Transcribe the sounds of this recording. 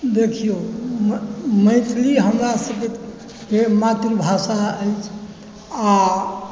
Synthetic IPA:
d̪ekʰijomməjt̪ʰliɦəmɾasəbit̪ | kemat̪ɾibʱasaəjt͡ʃʰ | a

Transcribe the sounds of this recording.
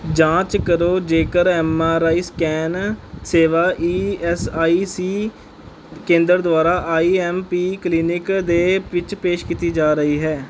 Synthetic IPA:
d͡ʒãːt͡ʃkəɾoːd͡ʒeːkəɾɛːmaːɾaːiːskɛːnseːʋaːʔiːɛsaːiːsiː | kẽːnd̪əɾd̪ʊaːɾaːʔaːiːɛːmpiːkliːnɪkd̪eːʋɪt͡ʃpeːʃkiːt̪iːd͡ʒaːɾəiːɦɛː

